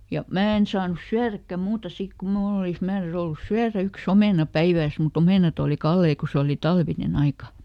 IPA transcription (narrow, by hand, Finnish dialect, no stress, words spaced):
jɑ mæː en sɑːnus syærækːæ muːtɑ sik ku mnuːl olis mæːræys olːus syæræ yks omeˑnɑ pæiʋæːs mut omeˑnɑt oˑli kɑlːei ko se oli tɑlʋinen ɑikɑ